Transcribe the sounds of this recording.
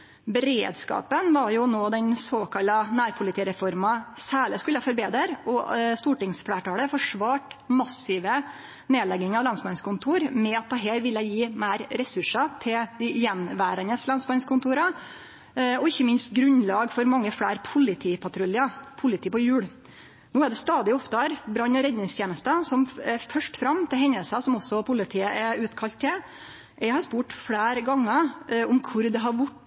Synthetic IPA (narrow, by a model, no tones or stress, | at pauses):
bɛɾḛːd̪skɑ̰ːpənʋɑɾjʊnoːd̪ɛnsoːkʰɑlɑnæːɾpʰʊlɪt̪iːɾɛfɔɾmɑsæːɭəskʉlːəfɔɾbeːd̪əɾɔst̪uːʈɪŋsfɽæːʈɑːləfɔʂʋɑːʈmɑsɪʋə | neːlɛɡɪŋɑʋlɑnsbɑnskʰʊnt̪ʰuːɾmɛɑt̪̚d̪ɑɦeːɾʋɪlːəjiːmæɪɾɾɛsʉʂɑt̪ʰɪld̪ɪjɛnʋæːɾɑnəslɑnsbɑnskʰʊnt̪ʰuːɾɑ | ɔɪçːəmɪnst̪ɡɾʉnlɑːɡfɔɾmɑŋːəfɽæːɾpʰʊlɪt̪ʰiːpʰɑt̪ʰɾʉlɪɑpʰʊlɪt̪ʰiːpɔjʉːɽ | noːæɖ̪ɛst̪ɑːd̪ɪɔft̪əɾbɾɑnːɔɾɛd̪nɪŋst̪ʰjeːnəst̪əsɔmɛfœʂʈfɾɑmt̪ʰɪlhɦɛɲːəlsəsɔmɔsːɔpʰʊlɪt̪ʰiːəʔɛʉːt̪kʰɑlt̪ːɛ | jɛɪhɑɾspuːʈfɽæːɾɡɑŋːəʊmkʰʊɾd̪ɛɦɑɾʋʊʈː